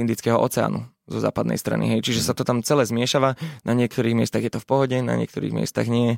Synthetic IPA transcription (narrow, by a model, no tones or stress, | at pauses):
ind̪it͡skɛɦɔʔɔt͡sɛa̰ːnṵ | zɔza̰ːpad̪nɛ̰jst̪ɾa̰nḭɦɛjt͡ʃiʒɛsat̪ɔt̪amt͡sɛlɛːzmɪɛʃaʋanʔaɲɪɛkt̪ɔɾiːɣmɪɛst̪aɣjɛt̪ɔfpɔɦɔɟɛna̰ɲɪɛ̰kt̪ɔɾḭːɣmɪɛ̰st̪a̰ɣɲɪɛ